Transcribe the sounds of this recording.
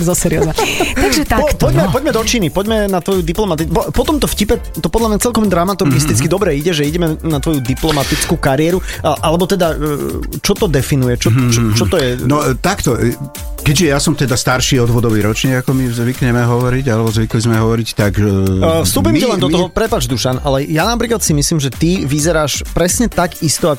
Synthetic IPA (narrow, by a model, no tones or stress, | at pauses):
zɔsɛɾiɔ̰znɛt̪aɡʒɛpɔpɔɟmɛpɔɟmɛd̪ɔt͡ʃinipɔɟmɛnat̪ʋɔjud̪iplɔmat̪ippɔt̪ɔmt̪ɔfcipɛ | t̪ɔpɔd̪lamɲat͡sɛlkɔmd̪ɾamat̪uɾɡist̪it͡skid̪ɔbɾɛiɟɛʒɛiɟɛmɛnat̪ʋɔjud̪iplɔmat̪it͡skuːkaɾiɛɾuʔalɛbɔt̪ɛd̪a | t͡ʃɔt̪ɔd̪ɛfinujɛt͡ʃɔt͡ʃt͡ʃɔt̪ɔjjɛnɔt̪akt̪ɔ | kɛɟʒɛjasɔmt̪ɛd̪ast̪aɾʃiːɔd̪ʋɔd̪ɔʋiɾɔt͡ʃniːɡakɔmizʋikɲɛmɛɦɔʋɔɾiɟalɛbɔzʋiklizmɛɦɔʋɔɾict̪aɡfst̪uːpimcɛlɛnd̪ɔt̪ɔɦɔpɾɛpad͡ʒd̪uʃanʔalɛjanapɾiːklat̪simisliːmʒɛt̪iʋizɛɾaːʃpɾɛsɲɛt̪aɡist̪ɔak